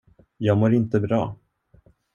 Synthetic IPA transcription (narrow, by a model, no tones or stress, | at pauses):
jɑːɡmoːɾɪnt̪əbɾɑː